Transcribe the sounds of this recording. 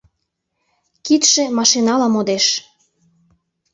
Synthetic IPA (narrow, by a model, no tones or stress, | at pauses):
kit̪ʃĕmɑʃinɑlɑmod̪eʃ